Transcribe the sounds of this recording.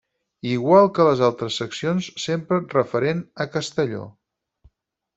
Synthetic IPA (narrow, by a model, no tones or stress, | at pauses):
iɣwalˠkələzalˠt̪ɾəsːəksionsːempɾərəfəɾenəkəst̪əʎo̰